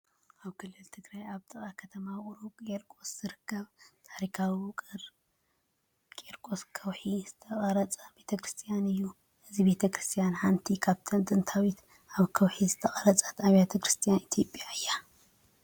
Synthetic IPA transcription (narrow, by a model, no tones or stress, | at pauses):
ʔaβkʰɨlːɨlt̪ʰɨɡɾajaβt̪ʼɨχʼakʰɐt̪ʰɐmaχʼɾukʼeɾkʼo̞sz̥ɨɾɨkːɐβt̪ʰaɾikʰawiwɨkʼɨɾ | kʼeɾkʼo̞skʰɐwħiz̥ɨt̪ʰɐχʼɐɾɐt͡sʼɐbe̞t̪ʰɐkɾɨst̪ʰijanɨjːu | ʔɨzibe̞t̪ʰɐkɾɨst̪ʰijanħant̪ʰikʰaβt̪ʰɐnt̪ʼɨnt̪ʰawit̪ | ʔaβkʰɐwħizɨt̪ʰɐχʼɐɾɐt͡sʼḁt̪ʰaβjat̪ʰɐkɾɨst̪ʰijanit̪ʰjo̞pʼjaɨjːa